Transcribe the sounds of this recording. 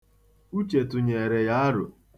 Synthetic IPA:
u˦t͡ʃe˨tʊ˨ɲe˨e˨ɾe˨ja˦a˦ɾʊ̰˨

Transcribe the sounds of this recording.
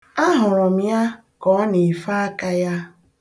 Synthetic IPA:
a˦ɦʊ˨ɾʊ˨m̩ja˦ | kɔ˨˦ne˨fa˦a˦ka˦ja˦

